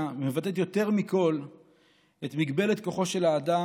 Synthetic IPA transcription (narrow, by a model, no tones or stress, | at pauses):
mevat̪et̪̬jo̞t̪e̞ʁmiko̞l | et̪miɡbe̞let̪ko̞χo̞ʃe̞laːd̪a